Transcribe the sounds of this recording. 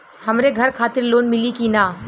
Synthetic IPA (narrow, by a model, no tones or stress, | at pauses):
həmɾeɡʱɐɾkʰaːt̪ɪɾloːnmɪlikinaː